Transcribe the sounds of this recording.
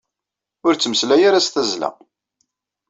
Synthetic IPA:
ʊɾt͡sːəməslæjaɾast̪æzlæ̰

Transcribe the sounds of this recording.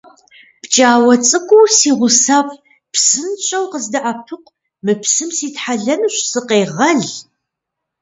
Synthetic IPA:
b̥t͡ʃʼaːwɐt͡sʼɨkʷʼʊwsiːʁʷʊsaːpʼ | psɨnɕʼɐwqəzdɐʔapʰɨqʷʼ | mɨpʰsɨmsiːtħaɮɐnɨɕʼsɨqeːʁɐɮ

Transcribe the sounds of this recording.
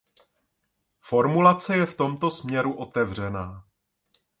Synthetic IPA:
fo̞ɾmulat͡sɛjɛft̪o̞mt̪o̞smɲɛɾuʔo̞t̪ɛvr̝ɛnaː

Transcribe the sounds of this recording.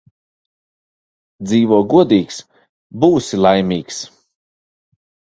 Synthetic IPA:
d̪ziːvuɔɡuɔd̪iːks | buːsilˠajmʲiːks

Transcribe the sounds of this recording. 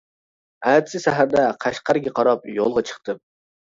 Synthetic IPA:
æd̪sɪsæɦæɾd̪ɛqʰæʃqɑɾɡʲɛqʰɑɾɑp̚jolˠʁɑt͡ʃʰə̥χt̪ʰɨ

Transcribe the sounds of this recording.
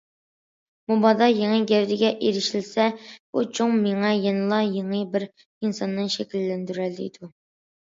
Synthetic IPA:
mubɑd̪ɑjeŋəɡʲɛwd̪ɪɡʲɛʔeɾɪʃilsɛb̥ut͡ʃʰoŋmeŋɛjɛnɨlˠɑjeŋəbɪɾ | insɑnːɨnʃɛkʲilːɛnd̪yɾæld̪ɪ̰ḭd̪̥u

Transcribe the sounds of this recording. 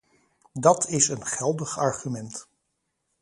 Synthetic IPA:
dɑtʰɪsənχɛlˠdəχɑɹχymɛnt

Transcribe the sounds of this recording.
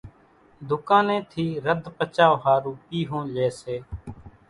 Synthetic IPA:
d̪ʊkãːnẽːt̪ʰiːɾəd̪ʱpət͡ʃaːʋɦaːɾuːpiːɦõːleːseː

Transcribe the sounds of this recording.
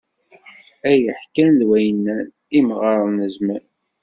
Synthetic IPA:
æjəħkænðwæjənːæn | imʁɾˤðˤnəzmæn

